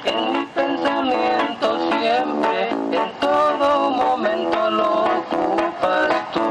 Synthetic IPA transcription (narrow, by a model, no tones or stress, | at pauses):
enmipensamjẽnt̪osjempɾeːnt̪oðomomẽnt̪onokupast̪u